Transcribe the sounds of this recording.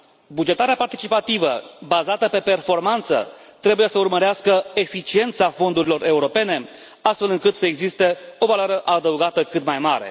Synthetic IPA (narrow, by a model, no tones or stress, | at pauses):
bud͡ʒe̞t̪aɾeapart̪it͡ʃipat̪ivəbazat̪əpe̞pe̞rfo̞rmant̪sə̰t̪ɾe̞buje̞səurməɾeaskəe̞fit͡ʃie̞nt̪safo̞nd̪uɾilo̞rʔe̞uɾo̞pe̞ne̞ | ast̪fe̞lɨŋkɨt̪səeɡzist̪e̞o̞valaɾəʔad̪əuɡat̪əkɨt̪majmaɾe̞̰